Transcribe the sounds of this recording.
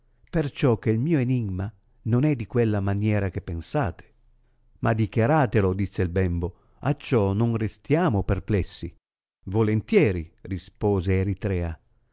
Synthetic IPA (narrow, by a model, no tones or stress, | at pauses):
pert͡ʃɔk̟ːeilmiːoeniɡma | nonɛd̪ikwelːamanjɛːɾak̟epːensaːt̪ʰe̥ | mad̪ikjaɾaːt̪elod̪isːeilbɛmbo | at͡ʃːɔnonrest̪jaːmopɛrplɛsːi | volent̪jɛːɾirispɔːzeːɾit̪ɾɛːa